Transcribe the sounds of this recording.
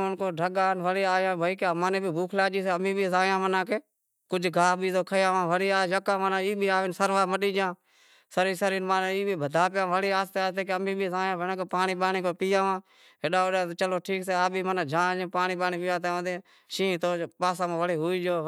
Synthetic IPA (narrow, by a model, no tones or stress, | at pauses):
ʊnkoːɖʱəɠaːnʋəɽeːaːjãːbʱəiːkaːmanẽːbʱiːbʱuːkʰlaːd͡ʒiːseəmĩːbiːzaːjãːmənãːkeː | kʊd͡ʒɡʱaːbʱiːt̪oːkʰəjãːʋãːʋəɽiːaːjəkãːmənãiːbʱiːaːʋeːnsəɾʋaːməɗiːd͡ʒãː | səɾiːsəɾiːnmaːneiːbiːbʱəd̪ʱaːpɪjãːʋəɽiːaːst̪eːaːst̪eːkeəmĩːbiːzaːjãːbʱənãːkoːpaːniːɓaːniːkoːpiːjãːʋãː | ɦeɗaːoɗãːt͡ʃəloːʈʰiːkseːaːbʱiːmənaːd͡ʒãːd͡ʒẽːpaːniːɓaːnĩːpɪjãːt̪eːõd̪eː | ʃĩːt̪oːpaːsãːmãːʋəɽeːɦʊːiːd͡ʒoː